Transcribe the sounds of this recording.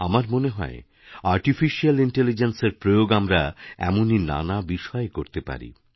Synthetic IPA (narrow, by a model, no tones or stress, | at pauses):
amaɾmoneɦɔ̰e | aɾʈifiʃialiɳʈelid͡ʑenseɾpɾojoɡamɾaɛ̰monina̰nabiʃɔekoɾt̪epa̰ɾḭ